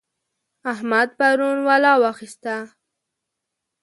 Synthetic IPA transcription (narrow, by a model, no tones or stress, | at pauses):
ahmad̪̚paɾunwalɑwɑxist̪a